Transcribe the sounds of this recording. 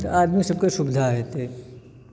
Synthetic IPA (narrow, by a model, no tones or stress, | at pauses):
t̪aːd̪misɐb̚keʃʊbɪd̪ʱaɦɛt̪e